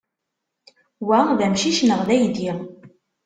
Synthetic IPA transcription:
wæðæmʃiʃnəʁðæjd̪i

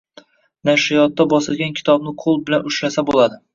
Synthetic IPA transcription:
naʃɪjɒt̪ːabɒsɪlɡʲankʲʰɪ̥t̪ʰɒb̚nɪqʰolˠbɪlanʊʃɾasabolˠad̪ɪ

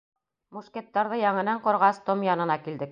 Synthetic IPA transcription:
muʃket̪ːɑɾðɤjɑɴɤ̆næɴqŏɾʁɑst̪omjɑnɤ̆nɑkild̪ɘk̚

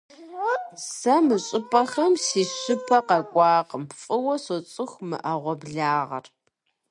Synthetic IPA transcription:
sɐmɨɕʼɪpʰʼɐxɐmsiːɕɪpʰɐqɐkʷʼɑːqəmpfʼɨwɐsɔt͡sʼɨxʷmɨ̰ʔɐʁʷɔbɮaːʁɐ̰r

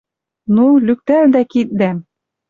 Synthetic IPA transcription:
nulʲʉk̚t̪æld̪ækit̪̚d̪æm

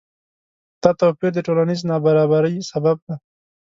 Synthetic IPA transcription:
t̪ɑt̪opiɾd̪əʈolaniznɑbaɾɑbaɾəjsabab̚d̪a

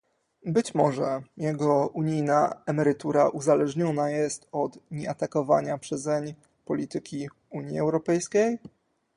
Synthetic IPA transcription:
bɘt͡ɕmɔʐɛjɛɡɔuɲijnaɛmɛɾɘt̪uɾaʔuzalɛʐɲɔnajɛst̪ɔt̪ɲɛat̪akɔva̰ɲapʂɛzɛɲ | pɔlʲit̪ɘkʲi | uɲjiɛwɾɔpɛjskʲej

